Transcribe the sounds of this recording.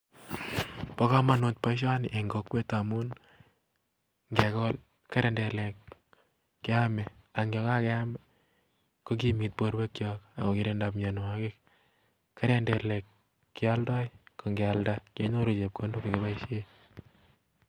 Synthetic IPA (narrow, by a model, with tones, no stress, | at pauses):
pɔ˦ka˦ma˨no˨t̚pa˦iʃ̬a˦n˨ʔe˨ŋɡo˨kwe˦tamu˦n | ŋɡekɔ˦l | ka˦ɾende˨le˨kː | ɪ˦amɛ˨a˨ŋɡɔ˦ka˦kɛ˦amɛ˨ | ko˦k̬i˦mi˨t̚po˦ɾbe˦kt͡ʃjɔka˨ko˨ki˨ɾe˦nda˨pɲen˨akɪk | ka˦ɾende˨lekː | i˦a˦ldɔ˦jko˨ŋɡealdake˦ɲo˦ɾu˨t͡ʃe˨p̚ko˦ndo˦keke˨ba˦iʃe˦